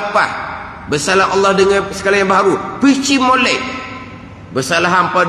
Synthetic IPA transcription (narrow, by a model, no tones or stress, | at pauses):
pah | bərsalaɦʔɑlːɑhdəŋansə̥kalaŋjabəɦaɾupit͡ʃimolɛʔ | bərsalaɦampa